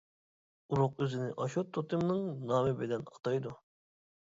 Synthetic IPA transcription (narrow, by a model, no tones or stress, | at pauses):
uɾʊqøzɪnɪʔɑʃot̪ʰːot̪ʰɨmnɨŋnɑːmɪbɪd̪ɛnɑt̪ʰɑjd̪u